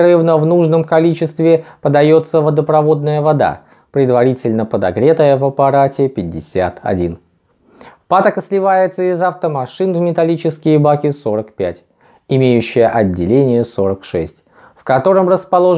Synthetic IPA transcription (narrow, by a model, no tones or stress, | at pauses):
ɾɨvnəvnuʐnəmkɐlʲit͡ɕɪst̪vʲɪpəd̪ɐjo̞t̪səvəd̪əpɾɐvo̞d̪nəjəvɐd̪a̰ | pɾʲɪd̪vɐɾʲitʲɪlʲnəpəd̪ɐɡɾʲe̞t̪əjəvɐpɐɾatʲɪpʲɪdʲːɪsʲa̰t̪ɐ̰dʲḭn | pat̪əkəsʲlʲɪvajɪt̪səɪzɐft̪əmɐʂɨnvmʲɪt̪ɐlʲit͡ɕɪskʲɪjəbakʲɪso̞ɾəkpʲætʲ | ɪmʲejʉɕːɪjəʔɐdʲːɪlʲenʲɪjəso̞ɾəkʂɛ̰sʲtʲ | fkɐt̪o̞ɾəmrəspɐlˠo̞